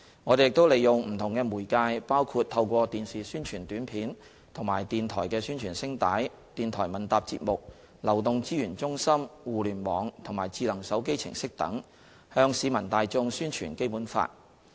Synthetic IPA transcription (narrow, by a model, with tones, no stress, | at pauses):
ŋɔː˨˧ɾe˨jɪ˨k̚t̪o˥wle˨jjʊ˨˩ŋm̩˨˩t̪ʰʊ˨˩ŋkɛː˧muː˨˩jkaː˧jpaː˥wkʰuː˧t̚t̪ʰɐ˧wkʷɔː˧t̪iː˨nsiː˨˩syː˥nt͡ʃʰyː˨˩nt̪yː˨˥npʰiː˨˥n | t̪ʰʊ˨˩ŋma̰ː˨˩jt̪iː˨nt̪ʰɔː˨˩jkɛː˧syː˥nt͡ʃʰyː˨˩nsɪ˥ŋt̪aː˨˥j | t̪iː˨nt̪ʰɔː˨˩jmɐ˨˩nt̪aː˨p̚t͡sḭ˧t̚mʊ˨k̚ | lɐ˨˩wt̪ʊ˨ŋt͡siː˥jyː˨˩nt͡sʊ˥ŋsɐ˥mwuː˨lyː˨˩nmɔː˨˧ŋt̪ʰʊ˨˩ŋmaː˨˩jt͡siː˧lɐ˨˩ŋsɐ˨˥wke˥jt͡sʰɪ̰˨˩ŋsɪ˥k̚t̪ɐ̰˨˥ŋ | hœː˧ŋsiː˨˧mɐ˨˩nt̪aː˨˧jt͡sʊ˧ŋsyː˥nt͡ʃʰy̰ː˨˩nke˥jpuː˨˥nfa̰ː˧t̚